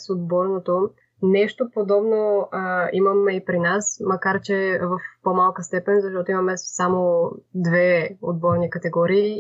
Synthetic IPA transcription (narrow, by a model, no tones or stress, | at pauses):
sod̪̚bɔɾnot̪o | nɛʃt̪opod̪ɔbno | imɐmɛipɾinasmɐkaɾt͡ʃɛvɐfpomalˠkəst̪ɛpɛnzɐʃt̪ɔt̪oimɐmɛsamod̪vɛod̪̚bɔɾnikɐt̪ɛɡɔɾiː